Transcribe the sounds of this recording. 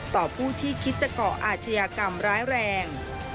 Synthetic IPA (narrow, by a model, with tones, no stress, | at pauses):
t̪ɔː˨˩pʰuː˥˩t̪ʰiː˥˩kʰi˦˥t̪̚t͡ɕa˧kɔː˨˩ʔaː˨˩t̪̚t͡ɕʰa˧jaː˧ka˧mɾaː˦˥jɾɛː˧ŋ